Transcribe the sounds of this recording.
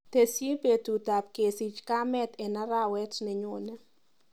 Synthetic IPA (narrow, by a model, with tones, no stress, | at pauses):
te˨sje˦pe˨tu˨ta˨p̚ke˨si˨t͡ʃka˦mɛ˦t̪ɛ˨na˦ɾa˦wɛ˦tnɪ˨ɲʊ˨nɛ˦